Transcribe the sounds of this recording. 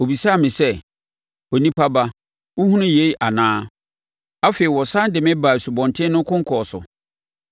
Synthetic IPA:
o˨bi˨sa˦˨mɪ̃˨sɛ˦ | ɔ˨nĩ˦pʰa˦ba˦ | wʊ˦hũ˦nʊ̃˦je˦i˦ʔa˨nãː˦ | a˦feː˨i˨wɔ˨sã˦n˦dɪ˨mɪ̃˦ba˨su˨bɔ̃˨ntʰɪ̃˦nʊ̃˦kʰʊ̃˦ŋ˦kʰɔː˨sʊ̰˨

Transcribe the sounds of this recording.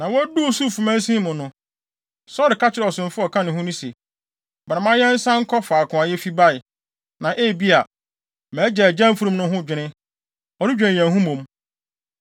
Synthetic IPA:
nã˨wɔ˦du˦˨su˦˨fu˨mæ̃˦n˦sĩ˦mʊ̃˨nʊ̃˨ | sɔ˦ɾɪ˨kʰa˦t͡ɕʰɪ˦ɾɛ˨ɔ˨sʊ̃˨n˨fʊ˦ɔ˨kʰã˦nɪ̃˨ɦʊ̃˦nĩ˦se˨ | ba˨a˨mã˦jɛ˦n̩˦sã˦ŋ̩˦kʰɔ˦faː˨kʊ̃˨a˨jɛ˦fi˦ba˦ɪ˨ | nã˨ʔe˦˨bi˦a˨ | mɛ̃˨˦d͡ʑɛ˨d͡ʑɛ̃˦m˦fu˦ɾũ˦nʊ̃˦ɦʊ̃˦d͡ʑᶣɪ˨nɪ̃˦ | ɔ˨nɪ̃˦d͡ʑᶣɾã˨ɛ̃˨ɦũ˦mõ˨m

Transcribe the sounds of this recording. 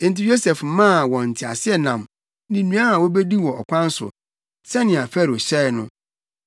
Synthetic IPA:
n̩˦ti˦jo˦sɛ˨f̩˦mã˦˨wɔ̃˨n̩˨tʰi˨a̰˨sɪ˦ɛ˨nã˨m | nɪ̃˨nũ˦a˦a˨wɔ˦be˦di˦wɔ˨ɔ˨kʷʰã˦n̩˦sʊ̰˨ | sɛ˦nɪ̃˨a˨fɛ˦ɾo˨ɕɛ˦˨nʊ̃˦

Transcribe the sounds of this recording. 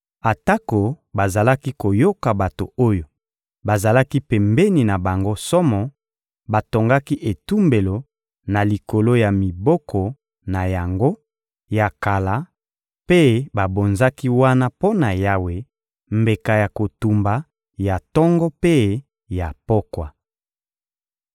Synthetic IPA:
a˨ta˦ko˨ | ba˨za˨la˦ki˦ko˨jo˦ka˨ba˨to˨o˦jo˨ | ba˨za˨la˦ki˦pɛ˨mbe˦ni˨na˨ba˨ŋɡo˦sɔ˦mɔ˨ | ba˨to˨ŋɡa˦ki˦ʔe˨tu˦mbe˨lo˨ | na˨li˨ko˨lo˦ja˨mi˨bɔ˦kʰɔ˨ | na˨ja˨ŋɡo˦ | ja˨ka˨la˦ | pe˦ba˨bo˨nza˦ki˦wa˦na˦po˦na˨ja˦we˦ | mbe˨ka˨ja˨ko˨tu˨mba˨ | ja˨tɔ˦ŋɡɔ˦pe˦ | ja˨pɔ˦kwa˨

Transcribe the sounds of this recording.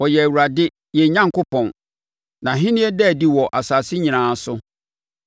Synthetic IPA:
wɔ˨jɛ˨æ˨wu˨ɾa˨dɪ˦ | jɛ˨˦ɲã˦ŋkʊ˦pʰɔ̃˨n | nã˨ɦɪ̃˦nɪ̃˦ɛ˦dɛ˦˨di˦wɔ˨ʔa˨saː˨sɪ˦ɲĩ˨nãː˨˦sʊ˦

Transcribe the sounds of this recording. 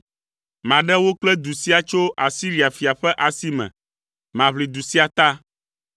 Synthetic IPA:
mã˨ɖɛ˦wo˦k͡plɛ˦d̪u˨si˦a˨t͡ʃo˦ʔa˨si˦ɾi˨a˨fi˨a˨ɸɛ˦ʔa˨si˦mɛ̰̃˨ | mã˨βli˨d̪u˨si˦a˨t̪a˦

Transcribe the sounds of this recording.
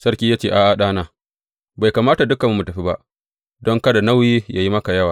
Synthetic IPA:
sɐ˦rkʲiː˦jaː˦t͡ʃeː˦˨ʔa˨ʔa˨ɗaː˦naː˦ | ba˨jkaː˨maː˦ta˨dʊ˦kɐ˨mu˨mu˨tɐ˨ɸi˦ba̰˦ʔ | dɔ˦ŋkɐ˦da˨na˦wjiː˦jaː˦ji˦mɐ˦ka˨jɐ˦waː˨

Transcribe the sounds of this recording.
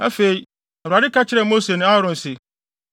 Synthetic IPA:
æ˦fe˨i˦ | a˨a˨dɪ˦kʰa˦t͡ɕʰɪ˦ɾɛ˨˦mo˦se˨nʊ̃˦a˦˨ɾʊ̃˨n̩˨sɪ˨

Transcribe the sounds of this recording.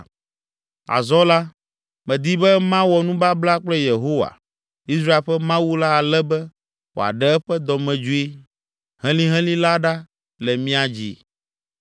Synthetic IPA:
a̰˨zɔ˦la˦ | mɛ̃˨d̪i˦bɛ˦mã˦wɔ˨nũ˦ba˦bla˦k͡plɛ˦je˨ɦo˦wa̰˨ | i˦s̬ɾa˦e˨lɸɛ˦mã˦wu˦la˦a˨lɛ˦bɛ˦ | wo˨a̰˨ɖɛ˦ɛ˦ɸɛ˦d̪ɔ˨mɛ̃˨d͡ʒu˦i˦ | ɦɛ̃˦lĩ˦ɦɛ̃˦lĩ˦la˦ɖa˦ | lɛ˨mĩ˦a˨d͡ʑḭ˦

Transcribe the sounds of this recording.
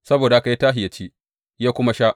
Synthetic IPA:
sɐ˦boː˨da˨a˦ka˨ji˦ta˦ɦɪ˨jɐ˨t͡ʃiː˦ | jaː˦kʷʊ˦ma˦ʃa˦ʔ

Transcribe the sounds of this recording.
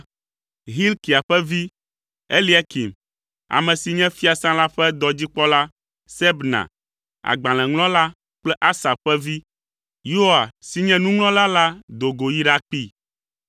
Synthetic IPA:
ɦi˦lki˨a˨ɸɛ˦vi˦ | e˦li˦a˦ki˨m | a̰˨mɛ̃˨si˨ɲɛ̃˦fi˦a˨sã˦la˦ɸɛ˦d̪ɔ˨d͡ʑi˦k͡pɔ˦la˦ | sɛ˦bnã̰˨ | a̰˨ɡ͡bã˨l̃ɛ̃˨ŋlɔ̃˦la˦ | k͡plɛ˦ʔa˦sa˨ɸɛ˦vi˦ | jo˦o˦a˨si˦ɲɛ̃˦nũ˦ŋlɔ̃˦la˦la˦d̪o˨ɡo˨ji˦ɖa˦k͡pi˦

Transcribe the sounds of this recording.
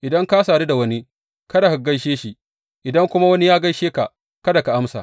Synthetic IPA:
ʔɪ˨dɐ˦ŋkaː˦saː˨ɽe˦da˨wɐ˦ni˦ | kɐ˦da˨ha˨ɡɐ˦jʃeː˦ʃi˨ | ʔɪ˨dɐ˦ŋkʷʊ˦ma˦wɐ˦ni˦jaː˦ɡɐ˦jʃeː˦ka˨ | kɐ˦da˨ka˨ʔa˦msa̰˨

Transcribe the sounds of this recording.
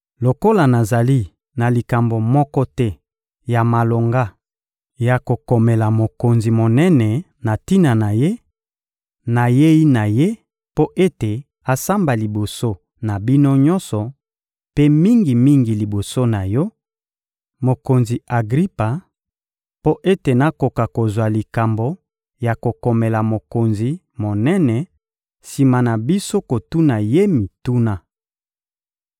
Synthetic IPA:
lo˨ko˦la˨na˨za˨li˦ | na˨li˨ka˨mbo˨mɔ˦kɔ˦tɛ˦ | ja˨ma˨lo˨ŋɡa˦ | ja˨ko˨ko˨mɛ˨la˨mo˨ko˨nzi˨mo˨nɛ˦nɛ˨ | na˨ti˦na˨na˨je˦ | na˨je˦i˦na˨je˦ | po˦ʔe˦te˨ | a˨sa˦mba˨li˨bo˨so˦ | na˨bi˦no˦ɲɔ˦nsɔ˨ | pe˦mi˦ŋɡi˨mi˦ŋɡi˨li˨bo˨so˦na˨jɔ˦ | mo˨ko˨nzi˨a˨ɡʁi˦pa˨ | po˦ʔe˦te˨na˦ko˨ka˨ko˨zwa˨li˨ka˨mbo˨ | ja˨ko˨ko˨mɛ˨la˨mo˨ko˨nzi˨ | mo˨nɛ˦nɛ˨ | si˨ma˨na˨bi˦so˦ko˨tu˦na˨je˦mi˨tu˦na˦

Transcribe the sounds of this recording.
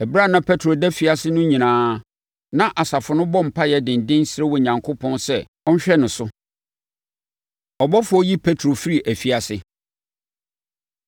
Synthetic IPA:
ɛ˨bɾa˦˨nã˨pʰɛ˦tʰɾo˨dɛ˦fi˨a˨sɪ˦nʊ̃˦ɲĩ˨nãː˨˦ | nã˦ʔa˨sa˨fʊ˨˦nʊ̃˦bɔ̃˦m̩˨pʰa˦jɛ˨dɪ̃˨n̩˨dɪ̃˦n˦sɾɛ˦wɔ˨ɲã˨ŋkʰo˦pʰɔ̃˦nsɛ˦˨ | ɔ˦n̩˦ɕᶣɛ˦nʊ̃˨sʊ˦ | ɔ˨bɔ˦fʊ˨˦ɔ˦ji˦pʰɛ˦tʰɾo˨fi˦ɾi˨ʔæ˨fi˨a˨sɪ˦

